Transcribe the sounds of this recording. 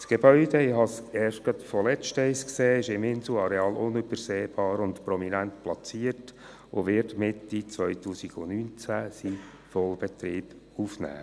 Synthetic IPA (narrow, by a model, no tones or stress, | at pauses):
sɡ̥ebœʏd̥əɪhɑsɛːʃtɡ̥ɑt̪fɔlɛt͡ʃtɛjskseːɪʃɪmɪnsl̩ɑɾɛɑːlʔʊnøb̥əɾseːb̥ɑːɾʊnt̪pɾɔminænt̪plɑt͡siəɾt | oʋɪtmɪtːit͡sʋœʏtuːsiɡ̥ʊnynt͡sæsi | fɔlˠb̥ɛtɾiːb̥ | ufnæ̰ː